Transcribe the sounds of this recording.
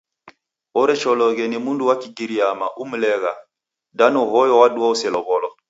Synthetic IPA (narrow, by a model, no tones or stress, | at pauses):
ɔɾɛt͡ʃɔlɔɡɛnimunduwakiɡiɾiamaʔumlɛɣa | danoɦɔjɔwaduausɛlɔbɔlɔ